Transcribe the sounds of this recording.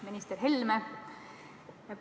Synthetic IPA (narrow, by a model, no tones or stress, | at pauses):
minʲist̪erɦelme | jɑp